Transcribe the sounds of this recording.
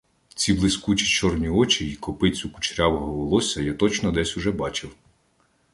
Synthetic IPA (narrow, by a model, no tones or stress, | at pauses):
t͡sʲiblˠɪsʲkut͡ʃi̥t͡ʃɔrnʲiɔt͡ʃiikɔpɪt͡sʲʊkʊ̥t͡ʃɾʲawɔɦɔʋɔlˠɔsʲɐjat̪ɔt͡ʃnɔd̪ɛsʲʊʒɛbɑt͡ʃɪw